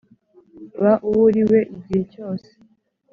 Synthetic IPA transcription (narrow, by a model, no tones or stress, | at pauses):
βaʔuβuɾiwe̞ʔiɟihe̞co̞ːse̥